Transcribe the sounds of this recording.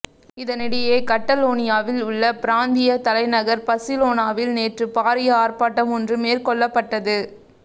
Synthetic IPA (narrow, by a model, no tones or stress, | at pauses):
ɪðɐnɪɽɐjeːkɐʈːɐloːnɪjaːʋɪlʊɭːɐpɪɾaːnd̪ɪjɐt̪ɐlɐɪnɐɣɐɾpɐsɪloːnaːʋɪlneːʈrɯpaːɾɪjɐaːɾpaːʈːɐmɔndrɯmeːɾkɔɭːɐpːɐʈːɐðɯ